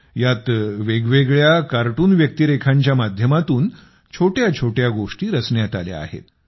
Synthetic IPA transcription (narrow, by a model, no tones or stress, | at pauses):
jat̪ʋeɡʋeɡɭjakaɾʈuːnʋjək̚t̪iɾekʰaɲt͡ɕjamad̪ʱjəmat̪uːn | t͡ɕʰoʈjat͡ɕʰoʈjaɡoʂʈiːɾəsɳjat̪alja̰a̰ɦḛt̪